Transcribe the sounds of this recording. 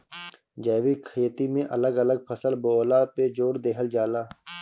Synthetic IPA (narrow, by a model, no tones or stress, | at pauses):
d͡ʒɛːʋikʰeːt̪imẽʔɐləɡɐləɡ̚pʰəsəlboːlaped͡ʒoːɾd̪eːɦəld͡ʒaːlaː